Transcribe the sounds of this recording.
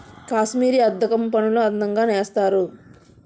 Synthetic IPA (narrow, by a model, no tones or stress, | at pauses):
kaːʃmiːɾiɐd̪ːɐkɐmpɐnuluɐnd̪ɐŋɡaːneːst̪aːɾu